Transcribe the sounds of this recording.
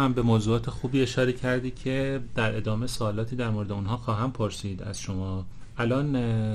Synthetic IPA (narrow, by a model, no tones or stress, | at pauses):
hæmbe̞moːzuːɒːt̪ʰe̞xuːbiːe̞ʃɒːɾe̞cʰæɾd̪iːcʲʰe̞d̪̥æɾʔe̞d̪ɒːme̞soːlɒːt̪ʰiːd̪æɾmoɾed̪eunɦɒːxɒːɦæmpʰoɾsiːd̪æ̰z̥ʃo̞mɒː | ʔælɒːn